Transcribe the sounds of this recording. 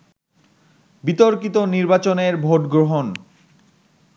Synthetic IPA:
bit̪oɾkit̪oniɾbat͡ɕoneɾbʱoʈɡɾoɦon

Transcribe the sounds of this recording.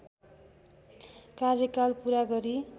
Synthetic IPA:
karjʌkalpuɾaɡʌɾi

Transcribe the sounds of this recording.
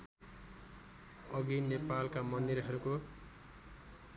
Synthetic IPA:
ʌɡinepalkamʌnd̪iɾɦʌɾuko

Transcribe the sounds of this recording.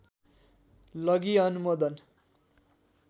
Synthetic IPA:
lʌɡiʌnumod̪ʌn

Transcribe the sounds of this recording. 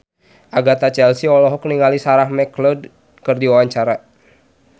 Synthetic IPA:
ʔaɡat̪at͡ʃɛlsiɔlɔɦɔkniŋalisaɾahmɛklɔd | kɨrdiwawaɲt͡ʃaɾa

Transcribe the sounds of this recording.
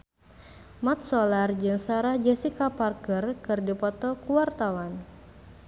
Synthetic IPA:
mat̪̚sɔlard͡ʒɨŋsaɾahd͡ʒɛsikaparkərkɨrdipɔt̪ɔkuwart̪awan

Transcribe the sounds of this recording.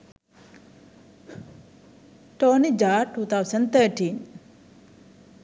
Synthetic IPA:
tɔnid͡ʒaʈːut̪ʰawsənt̪əʈin

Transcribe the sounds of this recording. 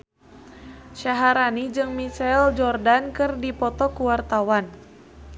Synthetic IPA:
ʃaɦaɾanid͡ʒɨŋmit͡ʃald͡ʒɔrdankɨrdipɔt̪ɔkuwart̪awan

